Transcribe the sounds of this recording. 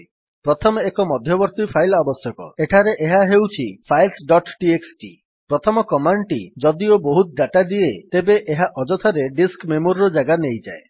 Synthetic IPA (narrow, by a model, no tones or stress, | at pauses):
pɾɔt̪ʰɔmekɔmɔd̪ʱjɔbɔɾt̪ipʰajlabɔsjɔkɔ̰eʈʰaɾeʔeɦaɦewt͡ʃʰipʰajlsɖɔʈʈieksʈḭ | pɾɔt̪ʰɔmɔkɔmaɳʈḭd͡ʒɔd̪ioboɦut̪̚d̪aʈad̪iet̪ebeʔeɦaʔɔd͡ʒɔt̪ʰɔɾeɖiskmemoɾɾɔd͡ʒaɡanejd͡ʒa̰e